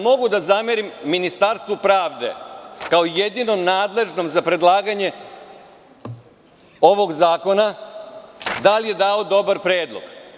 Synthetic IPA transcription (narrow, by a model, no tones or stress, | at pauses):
mo̞ɡud̪azameɾimːinist̪aɾst̪vʋupɾaːʋd̪e̞̰kaoje̞d̪ino̞mnaːd̪le̞ʒno̞mzapɾe̞d̪lˠaːɡaɲe̞ | o̞ʋo̞ɡzaːko̞na | d̪alije̞d̪aːo̞d̪o̞baɾpɾeːd̪lˠo̞̰ɡ̥